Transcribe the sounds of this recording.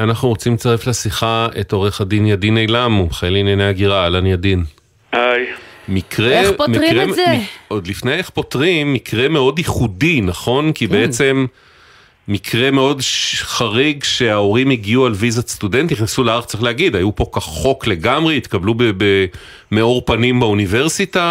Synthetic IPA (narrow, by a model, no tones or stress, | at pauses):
anaχnuʁot͡simt͡saʁeflesiχaeto̞ʁeχadinjadinejlamubχajelːnjanejaɡiʁaːlanjadin | ajmikʁepmʁeod̪lifnejeχpo̞tʁimːikʰʁe̞me̞o̞diχudinaχo̞nkibeet͡se̞mː | ikʰʁe̞me̞o̞dʃχaʁiɡʃe̞ao̞ʁimiɡiualvizast̪ude̞nt̪iχnesuleaʁt͡seχlehaɡid̪ajupo̞kaχo̞kle̞ɡamʁeit̪kablubebe | meoʁpanimbaunive̞ʁsita